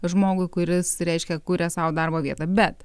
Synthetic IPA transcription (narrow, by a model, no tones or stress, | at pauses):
ʒmoːɡʊɪkʊɾʲɪsɾʲɛɪʃʲkʲɛkuːɾʲɛsɐʋʊd̪ɐrboːʋʲiɛt̪ɑːbʲɛt̪